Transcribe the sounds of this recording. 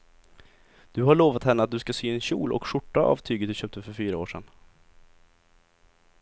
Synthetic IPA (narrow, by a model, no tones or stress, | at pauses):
d̪̥ɵɦaɭoːvat̪hɛnːəat̪̚d̪ɵskasyːɛnɕṵːlʔɔ̰kʂʊʈːaʔɑ̰ːvt̪ʰyːɡət̪̚d̪ɵɕøːp̚t̪ʰəfœɾfyːɾaoːʂɛ̰n